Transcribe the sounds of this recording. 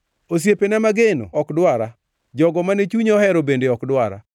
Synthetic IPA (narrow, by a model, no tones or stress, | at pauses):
os̬jepenɛmaɡeno̰ɔkdwaɾa | d͡ʒɔɡɔmanet͡ʃuɲɔhɛɾobendeɔkdwaɾa̰